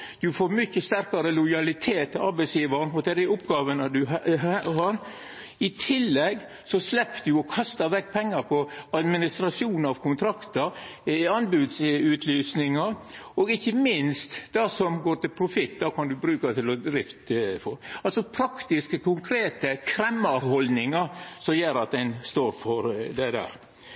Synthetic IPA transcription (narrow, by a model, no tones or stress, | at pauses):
d̪̥ʉfoːɾmʏçːəst̪æɾkɑɾəlʊjɑlɪt̪ʰeːt̪ɪɑɾbɛɪsjiːʋɑnɔd̪ɛd̪ɛʊpːɡɑːʋənəd̪ʉɑhɑɾ | ɪt̪ʰɪlːɛɡː | sɔslɛpːd̪ʉɔkʰɑst̪əɾʋɛk̚ːpʰɛŋːɑɾpʰɔɑd̪mɪnɪst̪ɾɑʂɪuːnɑʋkʰʊnt̪ʰɾɑkt̪əɾ | ɪɑnbʉːd̪sʉːt̪ʰlyːsnɪŋɑɾɔɡɪçːəmɪnst̪d̪ɑsɔmɡoːɾʈ̪ɪlpʰɾʊfɪt̪ːd̪ɑːkʰɑnd̪ʉbɾʉːkɑt̪ʰɪlɔd̪ɾɪft̪fɔɾɑlsɔpʰɾɑkt̪ɪskəkʰʊŋkʰɾeːt̪əkʰɾɛmːəɾɦɔld̪nɪŋɑɾsɔmjøːɾɑt̪̚d̪ɛnst̪oːɾfɔɾd̪ɛd̪æ̰ːɾ